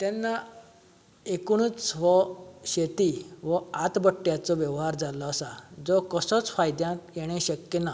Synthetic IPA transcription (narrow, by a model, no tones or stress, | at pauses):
t̪ɛnːa | ekɽ̃ut͡sʋɔɕet̪iʋəat̪bəʈːjat͡sɔʋjɛʋɦaɾd͡zalɔːsad͡zɔkəsɔt͡sfajd̪jãtjeɽ̃eɕəkjəna